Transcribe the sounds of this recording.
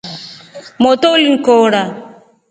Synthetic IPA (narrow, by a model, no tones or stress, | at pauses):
mɔt̪oliŋ̩kɔɾa